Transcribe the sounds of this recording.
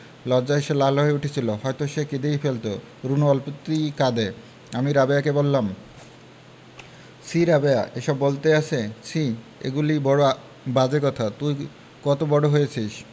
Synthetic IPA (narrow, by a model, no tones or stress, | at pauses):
lɔd͡ʑaeʃelaloeuʈʰet͡ɕʰiloɦɔet̪oʃeked̪ejfelt̪o | ɾunoɔlpot̪ːikad̪e | amiɾabejakebolːam | sʰiɾabea̰ʔeʃɔbːolt̪eaʃʰet͡ɕʰi | ḛɡulibɔɽoa | bad͡ʑekɔt̪ʰat̪uj | kɔt̪obɔɽoɦojet͡ɕʰiʃ